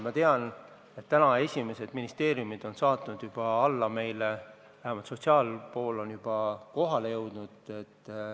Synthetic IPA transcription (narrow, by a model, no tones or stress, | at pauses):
mɑt̪e̞ɑn | e̞t̪ːænɑe̞sʲime̞se̞d̪̥minist̪e̞ːɾjumid̪̥o̞nsɑːt̪ˑnud̪̥jub̥ɑɑlːɑme̞jle | væɦæmɑlt̪so̞t̪ʲsiɑːlpo̞ːlːo̞njub̥ɑko̞ɦɑle̞jɤwd̪̥nud̪̥e̞t̪ː